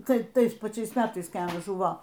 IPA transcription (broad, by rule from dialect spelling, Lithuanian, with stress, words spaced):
ˈtɐɪ ˈtɐɪs pɐˈt͡ʃʲɛɪs ˈmʲæːtɐɪs kɐɪ ˈɑːnɐs ˈʒʊʋoː